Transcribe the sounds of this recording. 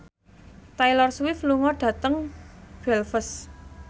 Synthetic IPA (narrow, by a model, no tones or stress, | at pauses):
t̪ajlɔrswɪfluŋɔɖ̥ä̤t̪əŋb̥ɛlfəs